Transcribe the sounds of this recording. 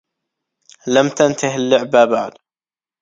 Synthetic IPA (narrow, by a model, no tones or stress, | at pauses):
lamt̪ant̪aɦɪlːʊʕbabaʕd̪